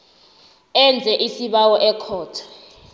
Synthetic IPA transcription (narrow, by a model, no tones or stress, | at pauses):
ɛnd͡zʱɛʔisiɓawɔʔɛkʰɔːtʰḁ